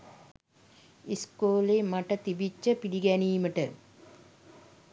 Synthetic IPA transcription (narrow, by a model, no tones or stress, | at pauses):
iskoːlemaʈət̪ibit͡ʃːəpiɖiɡæniːməʈə